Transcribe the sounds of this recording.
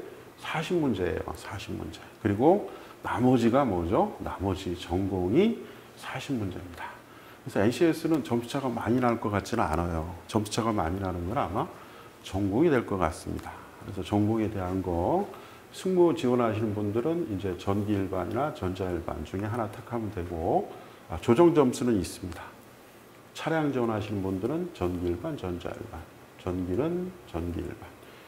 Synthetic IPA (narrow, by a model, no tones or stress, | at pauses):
sʰaɕʰimund͡ʑe̞̰jo̰sʰaɕʰimmṵnd͡ʑe̞kɯɾiɡonamʌd͡ʑiɡamʌd͡ʑonamʌd͡ʑit͡ɕʌŋɡoŋi | sʰaɕʰimmːund͡ʑe̞̰mɲida | kɯɾesʰʌenɕʰies͈ʰɯnɯnt͡ɕʌmʰu̥t͡ɕʰaɡamaɲinaɭk͈ʌk͈at̚t͡ɕ͈inɯna̰nʌjot͡ɕʌmsʰu̥t͡ɕʰaɡama̰ɲiɾanɯnɡʌɾama | t͡ɕʌŋɡoŋidwe̞ɭk͈ʌk͈a̰s͈ɯmɲḭda | kɯɾe̞sʰʌt͡ɕʌŋɡuŋete̞ɦanɡʌ | sʰuŋmut͡ɕiwʌnɦaɕ̬ʰinɯnbundɯɾɯnind͡ʑe̞t͡ɕʌnɡiiɭbaɲinat͡ɕʌnd͡ʑaiɭba̰nt͡ɕuŋe̞ɦanatʰakʰamɯndwe̞ɡo | at͡ɕod͡ʑʌŋd͡ʑʌmsʰunɯnis͈ɯmɲida | t͡ɕʰaɾjaŋd͡ʑwʌnɦaɕʰinɯnbundɯɾɯnt͡ɕʌnɡiiɭbant͡ɕʌnd͡ʑa̰ḭɭban | t͡ɕʌnɡinɯnt͡ɕʌnɡḭḭɭban